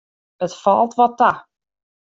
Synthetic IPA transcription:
ətfɔlˠtʋɔtːa

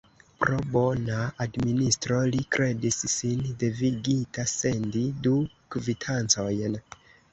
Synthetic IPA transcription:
pɾo̞bonaadministɾo̞likɾʔe̞disːinde̞viɡitase̞ndidu | kvitʰant͡so̞jn

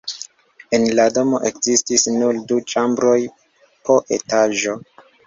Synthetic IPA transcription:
enlado̞mo̞̰ʔekzistisnuldut͡ʃambɾo̞j | po̞ʔḛtaʒo̞

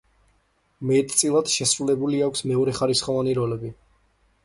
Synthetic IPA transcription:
mɛt̪ʼt̪sʼilˠad̪̥ʃɛsɾulɛbuliakʷʰsmɛɔɾɛχaɾisχɔvaniɾɔlɛbi

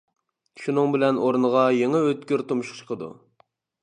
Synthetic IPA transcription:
ʃunɨŋbɪlɛnʔoɾnəʁɑjeŋɛøt̪̚kʲyɾt̪umʃχt͡ʃʰə̥qʰəd̪ṵ

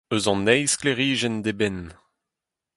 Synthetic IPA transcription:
øzɑ̃nːɛjskleʁiːʒɛnd̪ebɛn

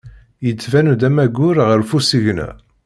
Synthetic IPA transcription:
jət͡sːvænud̪æmæɡʊɾʁəɾfusiʝnæ̰

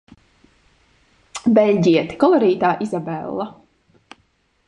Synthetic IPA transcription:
bɛlʲɟiɛt̪i̥kɔlˠɔɾiːt̪aːʔizabɛlˠːa

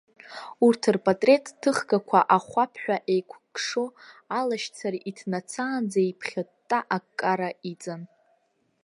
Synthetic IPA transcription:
urtʰɨrpʼatʼre̞tʼːʰɨχɡakʷʰaʔaχʷapʰħʷᶣaʔejkʷʰɡʼʂoalaʃt͡sʰaɾʔitʰnat͡sʰaːnd͡zaipʰχʲatʼːaʔakkʼːaɾait͡sʼan

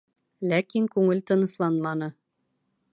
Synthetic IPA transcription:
lækiŋkʉŋɘlt̪ɤ̆nɤ̆slˠɑnmɑnɤ̆

